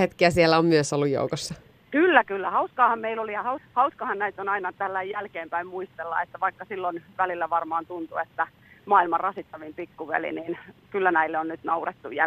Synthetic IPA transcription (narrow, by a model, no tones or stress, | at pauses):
et̪kiæsielːˑæommyøsolːujo̰ukosːɑ | kylːækylːæhɑuskɑːhɑmmeilolijɑhɑuhɑuskɑhɑnnæit̪onɑinɑt̪ælːæijjælkeːmpæimmuist̪elːɑ̰et̪ːæʋɑikːɑsilːonʋælilːæʋɑrmɑːnt̪unt̪uet̪ːæ | mɑːilmɑrrɑsit̪ːɑʋimpikːuʋḛlḭninkylːænæilːeonnyt̪nɑuret̪ːujæ